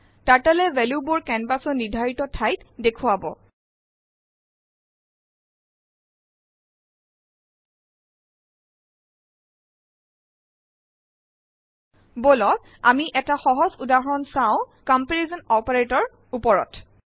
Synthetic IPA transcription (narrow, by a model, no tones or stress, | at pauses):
taɹtalɛvɛlubʊɹkɛnbasɔnidʱaɹitɔtʰajtdekʰʊabɔ̰ | bolɔt | amiʔɛtaxɔɦɔzudaɦɔnsaʊ̃kɔmpeɹezɔnɔpaɹetɔɹ | upɔɹɔ̰t